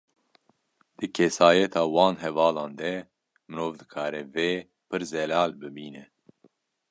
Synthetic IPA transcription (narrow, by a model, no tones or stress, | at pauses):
d̪̥ɨkʰɛsaːjɛt̪ʰɑːwɑːnɦɛvɑːlɑ̃ːnd̪ɛ | mɨɾoːvd̪ɨkʰaːɾɛveː | pɨɾzɛlaːlbɨbiːnɛ